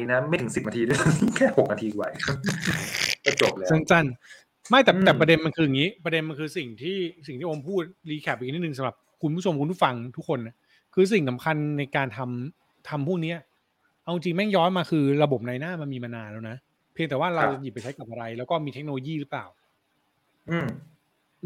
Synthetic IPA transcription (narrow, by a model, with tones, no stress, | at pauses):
i˦˥na˦˥ma˥˩jt̪ʰɯ˩˦si˨˩p̚na˧t̪ʰiː˧du˥˩˨ka˦˥kʰɛː˥˩ho˨k̚na˧t̪ʰiː˧˨˩wa̰˨˩jkʰa˦˥˩ | kɔ˥˩t͡ɕo˨˩p̚lɛː˦sa˥˩nt͡ɕa˥˩n | ma˥˩jt̪ɛː˨˩˧t̪ɛː˨˩pɾa˧de˧nma˧nkʰɯː˧ja˨˩ŋiː˦˥pɾa˧de˧nma˧nkʰɯː˧si˨˩ŋt̪ʰiː˥˩si˨˩ŋt̪ʰiː˥˩ʔo˧mpʰuː˥˩t̪̚liː˧kʰɛː˨˩p̚ʔ̚ni˦˥ɯ˨ŋsa˨˦mɾa˨˩p̚kʰu˧npu˥˩o˧mku˧npʰuː˥˩fa˧ŋt̪ʰu˦˥kʰːo˧na˨˩ | kʰɯː˧s̬i˨˩ŋsa˩˦mkʰa˧nːa˧jkaː˧nt̪ʰa˧m | t̪ʰa˧mpʰuː˥˩k̚ni˦˥ɐ | ʔa˧wt͡ɕi˧ŋt͡ɕi˧ŋmɛ˥˩ŋjɔː˦˥nmaː˧kʰɯː˧ɾa˧bo˨˩p̚naː˧jnaː˥˩ma˧nmiː˧ma˧naː˧nlɛː˦˥wna˦˥ʔ | pʰli˧əŋt̪ɛː˨˩waː˥˩ɾa˧wt͡ɕa˨˩ji˨˩p̚a˧jt͡ɕʰa˦˥jka˨˩p̚ʔa˧ɾa˧jlɛː˦˥wkɔː˥˩miː˧t̪ʰe˦˥k̚noː˧loː˧jiː˥˩ɾɯ˦˥plaː˨˩w | ʔɯː˧m